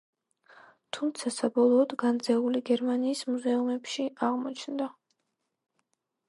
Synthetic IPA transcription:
t̪ʰumt̪sʰasabɔlˠɔːd̪ɡand̪zɛuliɡɛɾmaniːsmuzɛumɛpʃiaʁmɔt͡ʃʰnd̪a

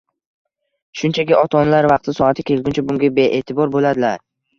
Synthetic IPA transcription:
ʃʊnt͡ʃʰakʲɪʔɒt̪ʰɒnlaɾvɑqt̪ʰɪsɒat̪ʰɪkʲʰe̞lɡʲʊnt͡ʃʰabʊŋɡʲabeʔet̪ʰɪbɒɾbolad̪ɪlaɾ

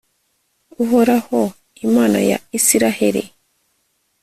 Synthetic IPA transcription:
uɦoɾaho | imaːna̰ja̰isiɾaheɾḭ

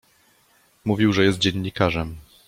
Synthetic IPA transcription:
muvʲiwʐɛjɛst̪̚d͡ʑɛɲːikaʐɛm

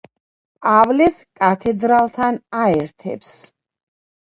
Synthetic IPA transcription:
pʼavlɛskʼat̪ʰɛd̪ɾalˠt̪ʰanaɛɾt̪ʰɛ̰ps

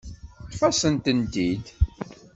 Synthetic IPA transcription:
tfɑsənt̪ənt̪id̪

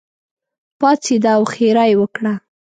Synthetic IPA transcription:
pɑt͡sid̪awxeɾajwəkɽa

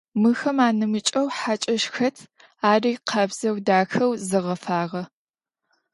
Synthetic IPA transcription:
mɨxɐmaːnɨmɨt͡ʃʼɐwħat͡ʃʼɐʃxɐtʰ | aːriːqʰɐbz̥ɐwdaːxɐwzɨʁɐfaːʁɐ

